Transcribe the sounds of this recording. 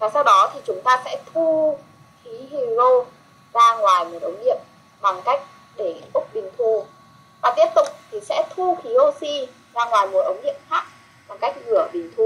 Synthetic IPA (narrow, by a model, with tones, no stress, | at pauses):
vaː˨˩sa˧wɗɔ˨˦t̪ʰi˨˩t͡ɕʊ˨˦ŋ͡mt̪aː˧sɛ̰˧˥t̪ʰu˧ | xi˨˦ɦi˨˩zo˧ | zaː˧ŋwaː˨˩jmo˨˩tʔə˨˦wŋ͡mɗḭ˧˨əm | ɓa˨˩ŋka˦˥jk̟̚ | ɗe˧˩ʔʊ˦˥k͡p̚ɓï˨˩ŋ̟t̪ʰu˧˩ | vaː˨˩t̪i˦˥əp̚t̪ʊ̰˧˨k͡p̚t̪ʰi˨˩sɛ̰˧˥t̪ʰu˧xi˨˦ʔo˧si˧ | zaː˧ŋwaː˨˩jmo˨˩t̪̚ʔə˨˦wŋ͡mɗi˧˨əmxaː˦˥k̚ | ɓa˨˩ŋka˦˥jk̟̚vɨ˧˩əɓï˨˩ŋ̟t̪ʰu˨˧˩